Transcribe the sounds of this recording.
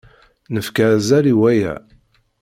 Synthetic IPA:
nəfkazæliwæjæ̰

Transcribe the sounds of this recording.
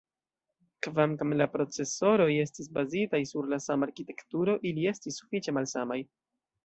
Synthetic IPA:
kvamkamlapɾo̞t͡se̞so̞ɾo̞je̞stis̬bazitajsuɾlasamaɾkite̞ktuɾo̞ʔilie̞stisːu̥fit͡ʃe̞malsamaj

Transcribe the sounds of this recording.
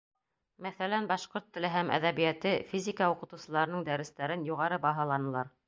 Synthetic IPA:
mæθælænbɑʃqoɾt̪ːɘ̆lɘɦæmʔæ̰ðæβijæt̪ɘfʲizʲikɑuqɤ̆t̪ɤ̆wsɤ̆lˠɑɾɤ̆nɤɴd̪æɾɘ̆st̪æɾɘnjuʁɑɾɤbɑɦɑlˠɑnɤ̆lˠɑɾ

